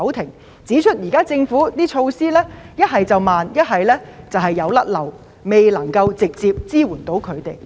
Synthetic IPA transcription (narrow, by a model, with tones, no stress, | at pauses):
ɐ˨˥wt̪ʰɪ˨˩ŋ | t͡siː˨˥t͡ʃʰɵ˥t̚jiː˨˩kaː˥t͡sɪ˧ŋfuː˨˥t̪iː˥t͡ʃʰo˧wsiː˥lɛː˥jɐ˥t̚ɦɐ˨˩jt͡sɐ˨wmaː˨njɐ˥t̚ɦɐ˨jlɛː˥t͡sɐ˨wɦɐ˨jːɐ˨˧wlɐ˥t̚lɐ˨˩w | me˨˩jlɐ˨˩ŋkɐ˧wt͡sɪ˨k̚t͡siː˧p̚t͡siː˥wuː˨˩nt̪o˨˥wkʰɵ˨˧ɥt̪e˨˩j